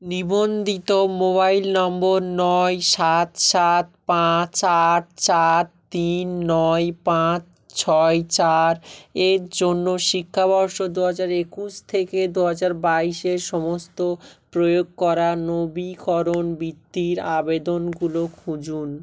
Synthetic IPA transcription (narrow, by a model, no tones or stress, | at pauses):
nibond̪it̪omoβajlnɔmboɾnɔjʃat̪ʃat̪̚pãt͡ɕaɾt͡ɕaɾt̪inːɔjpãt͡ɕ | t͡ɕʰɔet͡ɕaɾeɾd͡ʑonːoʃikʰːabʱɔɾʃod̪uɦad͡ʑaɾekuʃt̪ʰeked̪uɦad͡ʑaɾbaiʃeɾʃɔmost̪opɾojoɡ̚kɔɾanobikʰɔɾonbit̪ːiɾabed̪onɡulokʰud͡ʑun